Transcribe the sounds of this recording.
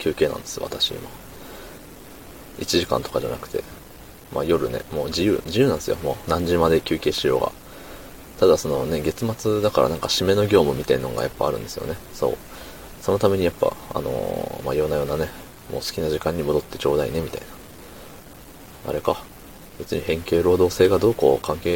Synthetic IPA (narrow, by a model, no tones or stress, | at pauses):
kʲʰɨːke̞ːnã̰nd̪̥e̞sɨjoa̰t̪aɕḭḭma | it͡ɕiʑikã̰nt̪o̞kaʑa̰nakɯ̟̥t̪e̞̰ | majo̞ɾɯ̟ne̞̰mo̞ːd͡ʑijɯ̟̰ːd͡ʑijɯːnãnesɨjo̞moːnãɲ̟d͡ʑimad̪e̞kʲɨːke̞ːɕijoːɡa̰ | t̪ad̪aso̞no̞ne̞ɡe̞t͡sɨmat͡sɨd̪akaɾʔa̰nãŋkaɕime̞no̞ɡʲo̞ːmɯ̟mʲit̪einːnɡa̰japːa̰ːɾɯ̟̃nd̪e̞sɨjone̞so̞̰ː | so̞no̞t̪ame̞ɲ̟ijapːa̰a̰no̰ma̰jo̞najo̞ːnane̞ | mo̞̰ːsɨ̥kʲinaʑikãɲ̟ːimo̞d̪o̞t̪ːe̞t͡ɕo̞ːd̪aḭne̞mʲit̪aina | a̰ɾe̞ka | b̥e̞t͡sɨɲ̟ihẽ̞ŋke̞ːɾo̞ːd̪o̞ːse̞ːɡad̪o̞ːko̞ːkãŋke̞ː